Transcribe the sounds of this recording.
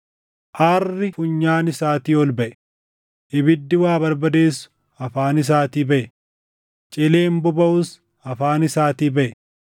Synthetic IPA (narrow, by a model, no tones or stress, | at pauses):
ʔarːɪfʊɲːaːnɪsaːt̪iːɔlbɐʔɛ̥ | ʔɪbɪd̪ːɪwaːbɐɾbɐd̪e̞ːsːʊ̥ | ɐfaːnɪs̬aːt̪iːbɐʔɛ | t͡ʃʼɪleːmbʊbɐʔʊs | ɐfaːnɪsaːt̪iːbɐʔɛ